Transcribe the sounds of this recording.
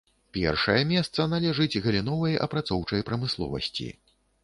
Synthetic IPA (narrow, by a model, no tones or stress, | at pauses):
pʲɛ̰rʂɐjɐmʲɛst̪sɐnalʲɛʐɨd͡zʲɣɐlʲinɔvɐjʔɐ̰pɾat̪sɔwt͡ʂɐjpɾɐmɨslˠɔ̰vɐ̰sʲt͡sʲḭ